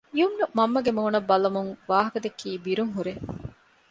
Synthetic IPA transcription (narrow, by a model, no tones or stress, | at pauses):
iumnumɐmːɐɡemoːnɐbːɐlɐmuŋʋaːɦɐkɐd̪ekʰːiːbiɾuŋɦuɾe